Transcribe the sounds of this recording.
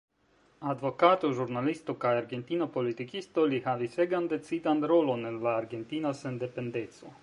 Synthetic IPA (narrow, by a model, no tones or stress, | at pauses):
ad̪ʋokaːt̪uʒuɾnalist̪ukajaɾɡent̪iːnopolit̪ikist̪olihaʋiseɡand̪ɛt̪sid̪and̪ɾolonɛlvaːɾɡent̪iːnosɛnd̪ɛpend̪et̪su